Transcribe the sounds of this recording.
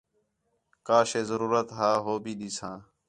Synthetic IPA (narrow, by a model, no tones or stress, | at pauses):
kaːʃeːzəɾuːɾət̪ɦaːɦoːbiːɗiːsãː